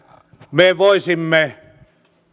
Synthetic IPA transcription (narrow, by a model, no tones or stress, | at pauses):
meʋoˑisimːe